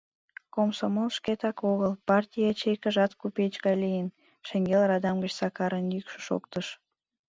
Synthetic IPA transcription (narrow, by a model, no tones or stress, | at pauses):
komsomolʃkʲet̪ɑkoɣəlˠpɑrtʲijɑt͡ɕejkəʒɑt̪kupet͡ʃɡɑlʲijən | ʃə̆ŋɡelrɑd̪ɑmɡət͡ɕsɑkɑɾənjykʃə̥ʃo̰kt̪əʃ